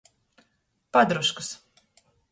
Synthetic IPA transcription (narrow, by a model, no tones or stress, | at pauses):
pad̪ɾuʃkɨ̥s